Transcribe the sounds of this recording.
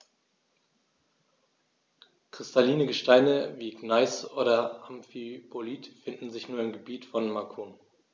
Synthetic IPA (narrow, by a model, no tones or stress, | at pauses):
kʁ̥ɪstʰaliːnəɡəʃtaɪnəviːɡnaɪsoːɾɐamfipʰoliːtfɪndn̩zɪçnuːɐɪmɡəbiːtfɔnmakʰun